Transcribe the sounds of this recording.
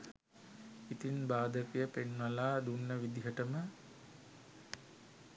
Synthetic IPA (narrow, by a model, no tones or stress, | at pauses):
it̪inbaːd̪əkijəpenʋɐlaːd̪unːəʋid̪iɦəʈəmə